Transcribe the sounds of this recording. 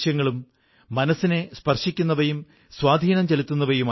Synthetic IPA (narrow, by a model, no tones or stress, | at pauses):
jɐŋːɐɭumː | ɐnɐsːinespɐrʂikʲːunːɐʋɐjum | swaːd̪ʱiːnɐmt͡ɕelit̪ːunːɐʋɐjumː